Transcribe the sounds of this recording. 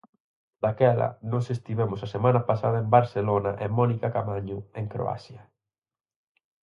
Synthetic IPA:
d̪̥akɛlɐ̰nɔ̃sest̪iβemʊsasemãnɐpasað̞ɐembaɾselonaʔemɔnikakamaɲʊeŋkɾo̰a̰sjɐ

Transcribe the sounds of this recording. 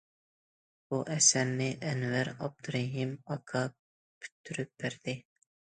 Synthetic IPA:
buʔɛsæɾnɪʔɛnvæɾɑb̚d̪ɾeɦimɑkʰɑ | py̥t̪ʰːyɾyp̚b̥æɾd̪̥ɪ

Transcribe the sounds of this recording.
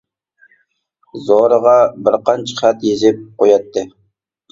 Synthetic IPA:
zoɾəʁɑbɪɾqɑnt͡ʃʰə̥χæt̪jezɪp̚qʰojɑt̪ʰːɨ

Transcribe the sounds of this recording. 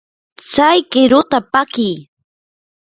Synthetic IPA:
t͡sajkɪɾʊt̪apakɪj

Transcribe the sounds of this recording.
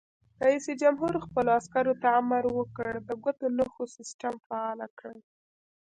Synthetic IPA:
ɾaisid͡ʒamɦuɾxpəloaskaɾot̪aːmaɾwəkəɽd̪əɡat̪onaxosɪsʈamfaɑlakɽəj

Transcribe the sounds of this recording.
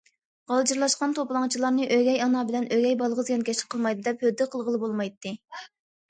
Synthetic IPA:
ʁɑlˠd͡ʒiɾlˠɑʃqɑnt̪ʰoplˠɑŋt͡ʃʰilˠɑɾnɨʔøɡʲɛjɑnɑbɪlɛnøɡʲɛjbɑlˠʁəzɡʲɑnkʲʰɛʃɪ̥qʰəlˠmɑjd̪ɨd̪ɛphød̪ːɪqʰəlˠʁəlˠɨbolˠmɑjt̪ːɨ

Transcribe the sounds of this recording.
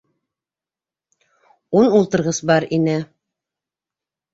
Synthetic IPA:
unulˠt̪ɤ̆ɾʁɤsbɑɾinɘ

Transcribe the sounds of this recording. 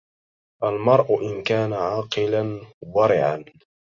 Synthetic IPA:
ʔalmɑɾˤʔʊʔɪnkaːnaʕɑːqɨlanðˤɑɾɪʕa̰n

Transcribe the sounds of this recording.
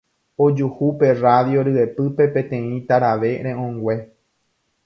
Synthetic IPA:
od͡ʒuhupe̞raðjo̞ɾɨe̞pɨpe̞pẽt̪ẽ̞ĩt̪aɾaʋe̞ɾẽʔõŋɡwʷe̞

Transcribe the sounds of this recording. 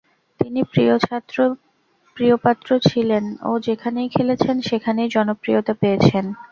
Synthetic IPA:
t̪inipɾiot͡ɕʰat̪ːɾo | pɾijopat̪ːɾot͡ɕʰileno̰d͡ʑekʰanejkʰelet͡ɕʰenʃekʰanejd͡ʑɔnopɾijot̪apeet͡ɕʰen

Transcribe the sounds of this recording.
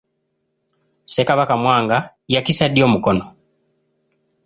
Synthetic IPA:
se̞kaβakamwaːŋɡa | jakisad̪jo̞ːmukono

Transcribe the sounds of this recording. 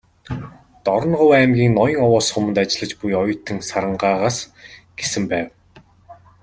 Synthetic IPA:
t̪ɔɾɞ̆nɢʊwæmɡʲiːŋnɔjɞ̆ŋɔwɔːsχʊmə̆nt̪at͡ɕɪ̆ɮə̆t͡ɕpujɔjʊ̆t̪ʰːɘ̆ŋsaɾə̆ɴɢaːʁaːsɡ̥esɘ̆mpæːw

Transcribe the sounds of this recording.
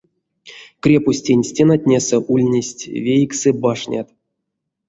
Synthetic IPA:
krʲepusʲtʲenʲsʲtʲenatʲnʲesɛʔulʲnʲesʲtʲvʲejksɨbaʂnʲʔa̰t̪

